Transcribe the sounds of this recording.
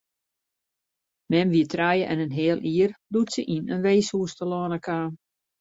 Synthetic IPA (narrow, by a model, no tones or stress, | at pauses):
mɛmʋiətʰrajəʔɛ̰nənɦɪəlˠʔiərdutsəʔinənʋeːshuəstəlɔnəkʰaː